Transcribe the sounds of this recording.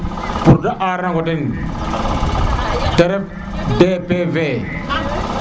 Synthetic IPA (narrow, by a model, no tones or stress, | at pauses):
puɾdaʔaɾnaɡodin | teɾep̚ | depeve